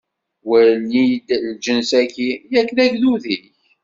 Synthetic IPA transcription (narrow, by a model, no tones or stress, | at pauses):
wənid̪ld͡ʒənsækijækːnæʝnuðiç